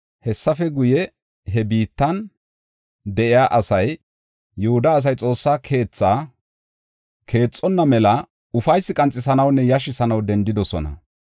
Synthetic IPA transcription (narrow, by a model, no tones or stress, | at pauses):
hɛsːɐfɛɡʊjɛ | ɦɛbiːt̪ːɐn | d̪ɛʔɪjaːʔɐsɐjː | ʊhʊd̪ɐːs̬ɐjt͡sʼo̞ːsːaːkʰe̞ːt͡sːaː | kʰe̞ːt͡sʼːɔnːɐmɛlɐ | ʊfɐjsːɪkʼɐnt͡sʼːɪsɐnɐwnːɛjɐʃ̬ɪsɐnɐwd̪ɛnd̪ɪd̪ɔsɔ̰nɐ̰